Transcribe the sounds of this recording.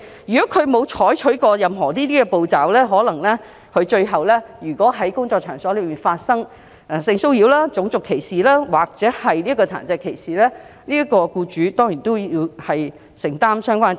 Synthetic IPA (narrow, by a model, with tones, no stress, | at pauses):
jyː˨kɔː˨˥kʰɵ˨˧ɥmo˨˧wt͡ʃʰɔː˨˥jt͡ʃʰɵ˨˥ɥkɔː˧jɐ˨mɦɔː˨˩t̪iː˥t̪iː˥kɛ˧po˨˧wt͡saː˨wlɛː˥ɦɔː˨˥lɐ˨˩ŋlɛː˥ | kʰɵ˨˧ɥt͡ʃɵ˧ɥɦɐ˨wlɛː˥jyː˨˩kɔː˨˥ɦɐ˨˥jkʊ˥ŋt͡sɔː˧k̚t͡ʃʰœː˨˩ŋsɔː˨˥lɵː˨˧miː˨nfaː˧t̚sɐ˥ŋ | ɛ˧˩sɪ˧ŋso˥wjiː˨˥wlaː˥t͡sʊ˨˥ŋt͡sʊ˨kʰːe˨˩jsiː˨˩laː˥waː˨k̚t͡sɛː˨˥hɐ˨jliː˥kɔː˧t͡sʰa̰ː˨˩nt͡sɛː˧kʰːe˨˩jsiː˨lɛː˥ | liː˥ɐ˥kɔː˧kuː˧t͡ʃyː˨˥t̪ɔː˥ŋjiː˨˩nt̪o˥wji˧whɐ˨j | sɪ˨˩ŋt̪aː˥msœː˥ŋkʷwʷaː˥n